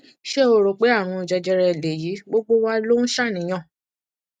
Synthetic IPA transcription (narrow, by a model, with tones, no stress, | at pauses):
ʃe˦o˧ɾo˨k͡pe˨˦a˦˨w̃ɔ̃˧i˨d͡ʒɛ˧d͡ʒɛ˧ɾɛ˧i˨le˨ji˨˦ɡ͡bo˦ɡ͡bo˦wa˦lo˦ñ̩˦ʃa˦˨nĩ˨˦j̃ã˦˨